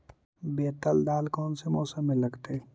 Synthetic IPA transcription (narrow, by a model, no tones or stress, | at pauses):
beːt̪əld̪aːlkɔːnsemɔːsəmːẽlɐɡt̪e